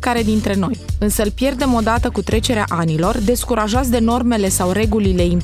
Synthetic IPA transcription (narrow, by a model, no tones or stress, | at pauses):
kaɾe̞d̪int̪ɾe̞no̞jɨnsəɨlpje̞rd̪e̞mo̞d̪at̪əkut̪ɾe̞t͡ʃe̞ɾea̰ʔanilo̞rd̪e̞skuɾaʒas̬d̪e̞no̞rme̞le̞sawre̞ɡulile̞im